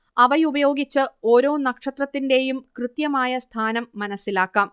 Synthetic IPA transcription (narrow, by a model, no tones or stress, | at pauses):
ɐʋɐjubɐjo̞ːɡit͡ɕːɨoːɾo̞ːnɐkʂɐt̪rɐt̪ːinde̞jumkrɨt̪jɐmaːjɐst̪ʰaːnɐmːɐnɐsːilaːkːaːm